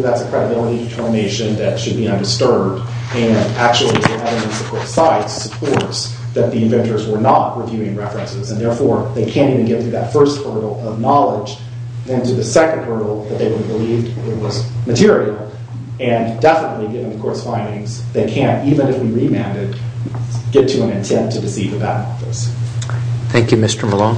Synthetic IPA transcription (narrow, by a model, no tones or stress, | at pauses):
ðætsɨkʰɹ̥ɛɾɨbɪlˠəɾiɾɨtʰɜ˞mɨneɪʃɨ̃nðɨtʃɨd̚biʌ̃ndə˞stə˞d | ɨ̃næk̚t͡ʃul̩ˠiðiæɾɨ̃mɨ̃nsɨ̥kʰɔɹtsaɪtsə̥pʰɔɹts | ðɨt̪̚ðiɨ̃ɱvɛ̃ntə˞zwə˞nət̚ɹivjʉɪ̃ŋɹɛfɹɨ̃nsɪzɨ̃nðɛɹfɔɹðeɪkʰæ̃ntivɨ̃nɡɛt̪̚θɹʉðɨtfɜ˞st̚hɜ˞ɾl̩ˠʌvnɑlˠɪd͡ʒ | ðɨ̃ntʰɨðɨsɛkɨ̃n̩dɜ˞ɾl̩ˠðɨt̪̚ðeɪwʊɾɨbəlivdɪt̚wʌzmɨtʰɪɹil̩ˠ | ɨ̃ndɛfənətˡliɡɪvɪ̃ŋðɨkʰɔɹtsfãɪ̃ndɪ̃ŋz | ðeɪkʰæ̃ntivɨ̃nɨfwiɹimæ̃ndɨd̚ | ɡ̥ɛtʰɨə̃nɨ̃ntʰɛ̃ntʰɨdɨsivɨbæ̰ɾn̩ɔ̰fɨ̰s | θæ̃ŋkjʉmɪstə˞məlɔ̃